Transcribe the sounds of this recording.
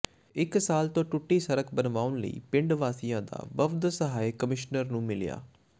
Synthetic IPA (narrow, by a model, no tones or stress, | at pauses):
ɪksaːlt̪õːʈʊʈːiːsəɾəkbənʋaːʊnlə̰ḭːpɪ̃ɳɖʋaːsɪjãːd̪a̰ːʋəbd̪səɦaːikəmɪʃnəɾnũːmɪlja̰ː